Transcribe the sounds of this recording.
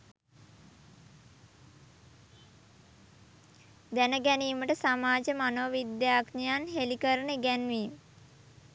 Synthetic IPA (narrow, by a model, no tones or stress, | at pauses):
d̪ænəɡɛniːməʈəsamaːd͡ʒəmanoʋʋid̪jaːknijanɦelikəɾənəɡɛnʋim